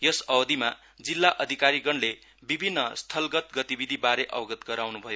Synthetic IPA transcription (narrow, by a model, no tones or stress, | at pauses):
jʌsʌwʌd̪ʱima | d͡zilːaʔʌd̪ʱikaɾiɡʌɳle | bibʱinːʌst̪ʰʌlɡʌt̪ɡʌt̪ibid̪ʱibaɾeʔʌwɡʌt̪ɡʌɾawnubʱʌjo